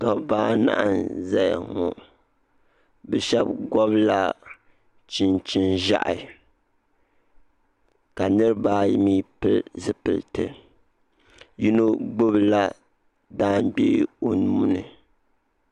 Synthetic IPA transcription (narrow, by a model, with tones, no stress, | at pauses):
dɔ˦baː˦na̰˦ʔa˨nza˦jŋɔ˨ | bɛ˨ʃɛ˦b̚ɡɔ˦bla˦ | t͡ʃi˦nt͡ʃi˦nʒa̰˦ʔɪ˨ | ka˨nɨ˦ɾɨ˦baː˦miː˦pɨ˦lzɨ˦pɨ˨ltɨ̰˨ | ji˦no˦ɡ͡bʊ˦bla˦ | daː˦mɡ͡bḛː˦o˨n˨mu˦nɨ˨